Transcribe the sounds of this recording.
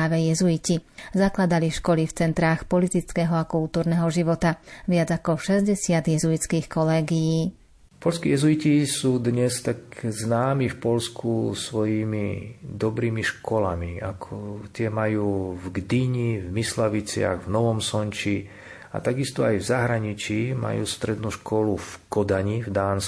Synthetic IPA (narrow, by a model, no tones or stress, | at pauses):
aːʋɛjɛzuicizaklad̪aliʃkɔlift͡sɛnt̪ɾaːxpɔlit̪it͡skɛːɦɔakult̪uːɾnɛɦɔʒiʋɔt̪aʋɪad͡zakɔʃɛzɟɛsɪad̪jɛzuit͡skiːxkɔlɛːɡijiː | pɔlskiːjɛzuicisuːd̪ɲɛst̪akznaːmifpɔlskusʋɔjiːmid̪ɔbɾiːmiʃkɔlamia̰kʰɔt̪ɪɛmajuːvɡd̪iɲivmislaʋit͡sɪa̰ɣvnɔʋɔmsɔɲt͡ʃi | a̰t̪aɡist̪ɔajvzaɦɾaɲit͡ʃiːma̰jṵːst̪ɾɛd̪nuʃkɔlufkɔd̪aɲivd̪aːns